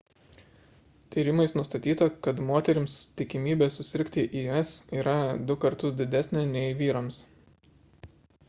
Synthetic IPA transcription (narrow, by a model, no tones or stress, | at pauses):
t̪ʲiːɾʲɪmɐɪsnʊst̪ɐt̪ʲiːt̪ɐkɐt̪moːt̪ʲɛɾʲɪmst̪ʲɪkʲɪmʲiːbʲeːsʊsʲɪɾʲkʲt̪ʲɪʔiːɛsiːɾɐd̪ʊkɐɾt̪ʊsd̪ʲɪd̪ʲæsʲnʲenʲɛɪʋʲiːɾoːms